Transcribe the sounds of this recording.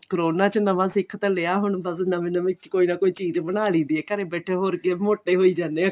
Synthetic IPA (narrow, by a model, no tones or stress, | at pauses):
kəɾoːnaːt͡ʃənəʋãːsɪkʰt̪əleaːɦʊɳbəsnəmẽnəmẽt͡ʃkoːiːnãːkoːiːt͡ʃiːd͡ʒbənaːliːd̪iːɛːkəɾeːbɛːʈʰeːɦoːɾkeːmoːʈːeːɦoːiːd͡ʒaːnːe